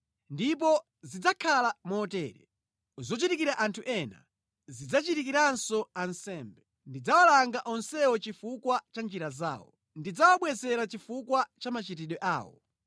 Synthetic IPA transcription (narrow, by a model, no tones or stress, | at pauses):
ndip̬ɔ | zid͡zakʰalamɔtɛːɾɛ̰ | zɔt͡ʃitikiɾaʔantʰuʔɛna̰ | zid͡zat͡ʃitik̬iɾansɔansɛːmbɛ | ndid͡zawalaŋɡaʔɔnsɛɔt͡ʃifukwat͡ʃand͡ʒiɾaza̰ːwɔ̰ | ndid͡zawaɓwɛzɛɾat͡ʃifukwat͡ʃamat͡ʃit̬iɗɔʔa̰ːwɔ̰